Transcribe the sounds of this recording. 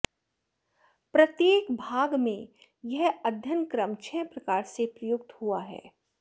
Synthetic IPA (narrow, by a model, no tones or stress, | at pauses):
pɾɐt̪jeːkbʱaːɡmẽ | jɐɦɐd̪ʱjənkɾəmt͡ʃʰɛːpɾɐkaːɾsepɾɐjʊkt̪huaɦɛ̰ː